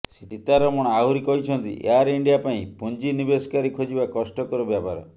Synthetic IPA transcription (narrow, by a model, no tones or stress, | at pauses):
siʈit̪aɾɔmɔ̃ɔaɦuɾikɔɦit͡ʃʰɔnt̪ḭʔḛaɾiɳɖijapaĩpund͡ʒinibesɔ̥kaɾikʰod͡ʒibakɔsʈɔkɔɾɔbjapaɾɔ̰